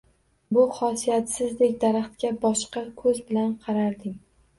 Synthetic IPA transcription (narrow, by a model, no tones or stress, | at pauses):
bʊχɒsijat̪sɪzd̪ekʲd̪aɾaχt̪kʲabɒʃqɑkʰɵzbɪlanqʰɑɾaɾd̪ɪŋ